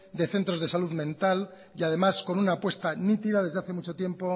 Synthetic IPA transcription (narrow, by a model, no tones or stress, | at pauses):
d̪e̞θe̞nt̪ɾo̞zð̞e̞saluðmẽ̞nt̪al | jað̞e̞masko̞nunaːpwe̞st̪anit̪iðaðezðeaθe̞mut͡ʃo̞t̪je̞mpo̞